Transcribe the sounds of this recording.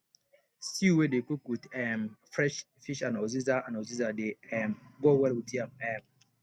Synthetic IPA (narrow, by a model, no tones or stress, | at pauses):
siwedekikwidɛmfɹɛʃ | fiʃãnɔzizaãnɔzizadeɛmɡowɛlwitãmɛm